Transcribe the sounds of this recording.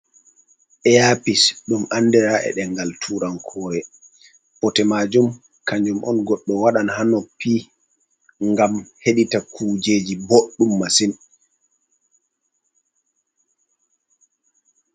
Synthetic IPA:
ʔɛjaːpisɗumʔanːdɛɾaʔɛ̰ɗɛŋɡaltʰuːɾankʰɔːɾɛ | pɔtɛmad͡ʒum | kaɲd͡ʒumʔɔ̰nɡɔɗːɔwaɗanhanɔpːi | ŋɡamheɗitakʰud͡ʒeːd͡ʒiboɗːumːasin

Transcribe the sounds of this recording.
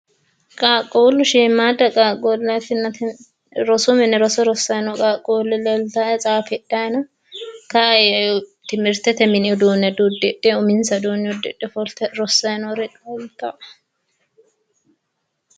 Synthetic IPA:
kʼaːkʼːoːlːʊʃiːmːaːd̪ɐkʼaːkʼolːɐt̪ːɪnːɐ | ɾɔsʊmɪnɛɾɔsɔɾɔsːɐjnɔkʼaːkʼːoːlːɪlɛlt̪aɛt͡sʼaːfɛᶑːajnɐ | kɐjt̪ɪmɪɾt̪ɛt̪ɛmɪnɪɔd̪uːnːɛd̪uːd̪ːɪᶑːɛʊmɪnsɐd̪uːnːɪɔd̪ɛᶑːɛfɔlt̪ːɛɾɔsːɐjnɔɾɛtʼɐlt̪ʼɐʔ

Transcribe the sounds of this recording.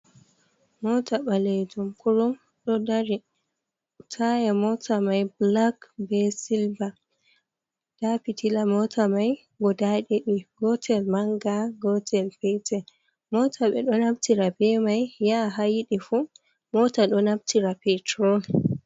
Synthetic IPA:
mɔtʰaɓaled͡ʒumkuɾɔm | ɗɔdaɾi | tʰajamɔtʰamajblakbɛsilba | d̥apitʰilamɔtʰamaj | ɡɔdaɗiɗiɡɔtʰɛlmaŋɡaɡɔtʰɛlpɛtʰɛ | mɔtʰaɓɛ̰ɗɔnabtiɾabɛmajjaɦajiɗifu | mɔtaɗɔnabtʰiɾapɛtɾɔn

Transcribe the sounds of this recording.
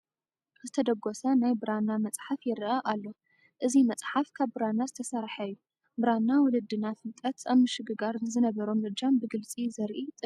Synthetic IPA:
zɨt̪ʰɐd̪ɐɡosɐnajbɨɾanːamɐt͡sʼħafjɪɾʔɐʔalːo̞ | ʔɨzimɐt͡sʼħafkʰaβbɨɾanːazɨt̪ʰɐsaɾħajːu | bɨɾanːawɔlɨd̪ːɨnafɨlt̪ʼɐt̪aβmɨʃɨɡɨɡaɾnɨzɨnɐβɐɾo̞mɨd͡ʒambɨɡɨlt͡sʼizɐɾʔit̪ʼɨ

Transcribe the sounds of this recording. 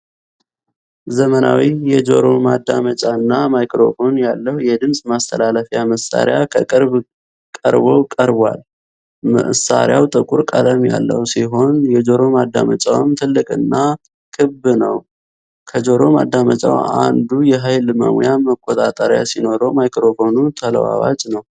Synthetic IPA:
zəmənawijɛd͡ʒo̞ɾo̞mad̪ːamət͡ʃʼaɨnːamajkɾo̞̰fo̞njalːəhujɛd̪ɨmsʼmast̪ʰəlaləfjaməsa̰ɾejakʰəkʼɨɾβ | kʼə̰ɾβokʼəɾβwa̰l | mə̰ʔsa̰ɾɪjawt̪ʼɨkʼuɾkʼaləmja̰lːə̰hwsiɦo̞njɛd͡ʒo̞ɾo̞mad̪ːamət͡ʃʼawmt̪ʰɨlːɨkʼɨnːa | kʰɨbnəw | kʰəd͡ʒo̞ɾo̞mad̪ːamət͡ʃʼa̰wand̪ujɛɦajlməmjaməkʼːot̪ʼat̪ʼəɾja̰sino̞ɾomajkɾo̞fo̞nut̪ʰələ̰wa̰wat͡ʃʼnəw

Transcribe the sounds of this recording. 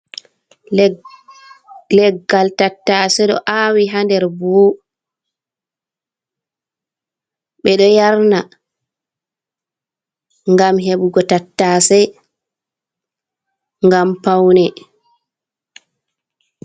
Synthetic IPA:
lɛɡːaltatːaːsɛɗɔ̰ʔawiɦandɛɾboː | ɓɛɗɔjaɾna | ŋɡamɦeɓuɡɔtatːaːsɛ | ŋɡampawnɛ

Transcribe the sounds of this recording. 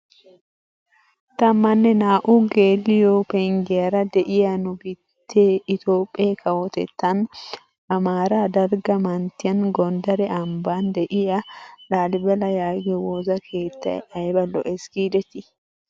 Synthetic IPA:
t̪ɐmːɐnːɛnaːʔuːɡeːlːɪjoːpɛŋɡɛjɐɾɐd̪ɛʔɪjɐnʊbɪ | t̪ʰːeːɪt̪o̞ːpʼːɪjeːkʰɐwɔt̪ɛ̰t̪ːɐn | ʔɐmaːɾaːd̪ɐɾɡɐmɐnt̪ɪjɐnɡɔnd̪ɐɾɛʔɐmbaːnd̪ɛʔɪjɐᶑaːlɪbɛlɐjaːɡɛwoːzɐkʰeːt̪ːɐ̰ɛ̰ɐjbɐlɔ̰ʔɛsɡiːd̪ɛt̪ɪ

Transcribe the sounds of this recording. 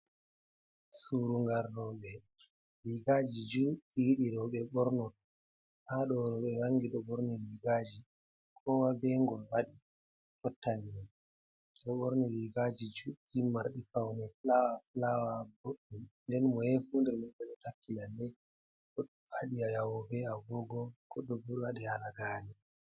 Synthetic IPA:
suɾuŋɡaɾːɔɓɛ | liɡad͡ʒid͡ʒuːiwiɗiɾɔɓɛɓɔɾnɔ | haɗɔɾɔɓɛwaŋɡiɗɔbɔɾnɔjiɡaːd͡ʒi | kʰɔwabɛŋɡɔlwaɗi | fɔtːaniun | ɗɔɓɔɾnɔjiɡad͡ʒid͡ʒuimaɾɗifawnɛflawaflawaboɗːumndɛnmɔhɛfundɛɾmaɓɛɗɔtakːilandɛ | ɔɗ | aɗiajawɔbɛaɡɔɡɔkɔɗːɔbuɗwaɗɛhalaɡaːli

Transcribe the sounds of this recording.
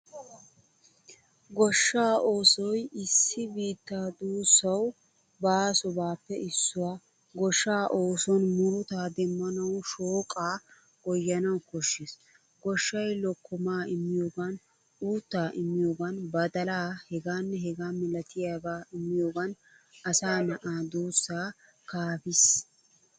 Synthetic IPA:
ɡɔʃːaːʔo̞ːsɔjɪsːɪbiːt̪ːaːd̪uːsːɐw | baːsɔbaːpːɛɪsːʊwaː | ɡɔʃːaːʔoːsɔnmʊɾʊt̪aːd̪ɛmːɐnɐwʃoːkʼaː | ɡɔjːɐnɐwkɔʃːes | ɡ̥ɔʃːɐjlɔkːɔmaːɪmːɪjoːɡɐn | uːt̪ːaːʔɪmːɪjoːɡɐnbɐd̪ɐlaːhɛɡaːnːɛɦɛɡaːmɪlɐt̪ʰɪjaːɡaːɪmːɪjoːɡɐn | ɐsaːnɐʔaːd̪uːsːaː | kaːfɪs

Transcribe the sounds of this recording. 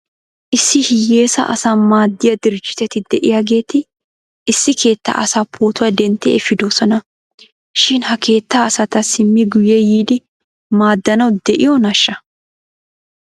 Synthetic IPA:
ʔɪsːɪhɪje̞ːsɐ̰ʔɐsaːmaːd̪ːɪjɐd̪ɪɾd͡ʒːɪ̥t̪ɛt̪ɪd̪ɛʔɪjaɡe̞ːt̪ɪ | ɪsːɪkʰe̞ːt̪ːɐ̰ʔɐsapʰoːt̪ʊwɐd̪ɛnt̪ːɛ̰ɛfɪd̪osɔnɐ | ʃɪnhɐkʰe̞ːt̪ːaɐsɐt̪ɐsɪmːɪɡʊjɛjiːd̪ɪ | maːd̪ːɐnɐwd̪ɛʔɪjɔnɐʃːɐ

